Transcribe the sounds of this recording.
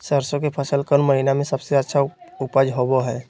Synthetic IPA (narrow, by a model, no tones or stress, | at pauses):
səɾsõk̬epʰəsəlkəɾnməɦinamẽsɐbseətːʃʰaʊpəd͡ʒɦoboɦɛː